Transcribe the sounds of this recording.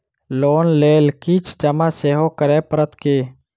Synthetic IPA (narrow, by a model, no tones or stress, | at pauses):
loːnleːlkiːt͡ʃʰd͡ʒəmaːseːɦoːkəɾeːpəɾət̪keː